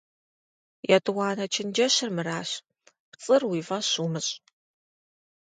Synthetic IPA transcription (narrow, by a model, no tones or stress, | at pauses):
jatʼwɑːnɐt͡ʃʰɪnd͡ʒɐɕɪrmɨraːɕ | pt͡sʼɨrwiːvɐɕuːmɨɕʼ